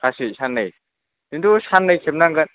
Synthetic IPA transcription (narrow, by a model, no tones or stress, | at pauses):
kʰasisanːɐj | dindusanːɐjkʰep̚naŋɡɐn